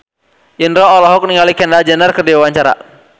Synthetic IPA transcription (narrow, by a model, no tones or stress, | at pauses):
ʔinɾɔːlɔɦɔk̚niŋalikɛndad͡ʒɛnərkərdiawaɲt͡ʃaɾa̰